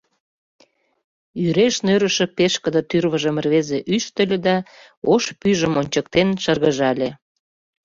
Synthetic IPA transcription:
yɾeʃnøɾə̆ʃə̆peʃkə̆d̪ət̪yrβəʒə̆mərβezeʔyʃt̪əlʲĕd̪ɑ | oʃpyʒəmonʲt͡ɕək̚t̪enʃərɣəʒɑlʲe

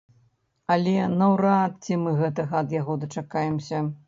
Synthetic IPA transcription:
ɐlʲɛnɐwɾat̪̚t͡sʲimɨɣɛt̪ɐɣɐɐd̪jaɣɔd̪ɐt͡ʂakajɛmsʲɐ

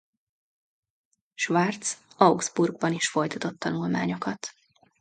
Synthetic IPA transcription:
ʃʋart̪sɒwɡz̥burɡ̚bɒniʃfo̞jt̪ɒt̪o̞t̪ːɒnulma̰ːɲo̞kɒt̪

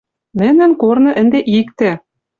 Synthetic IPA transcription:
nɘ̆nɘ̆nkornɤ̆ʔɘ̆nd̪eʔikt̪ɘ̆

